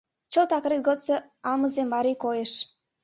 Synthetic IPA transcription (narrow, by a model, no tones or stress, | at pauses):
t͡ɕəlt̪ɑkɾet̪̚ɡot͡sɤ̆ | ɑlməzembɑɾikojeʃ